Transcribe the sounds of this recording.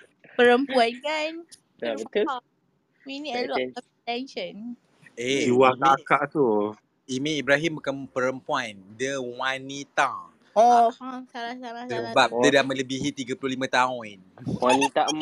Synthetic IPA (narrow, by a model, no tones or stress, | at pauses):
pəɾəmpuankan | sabət̪ə | miniɛlɔɛ | tɛnʃən | euwakakaʔt̪u | imẽibɾaɦimbukanpəɾəmpuandəwanit̪a | ɔsalasalasəbap̚ədamə̃ləbiɦit̪iɡapulʊhlimãt̪aʊnwanit̪a